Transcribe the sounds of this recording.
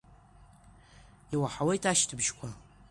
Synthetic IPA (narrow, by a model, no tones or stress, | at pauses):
iwaħawejtʼaʃtʰɨbʒkʷʰa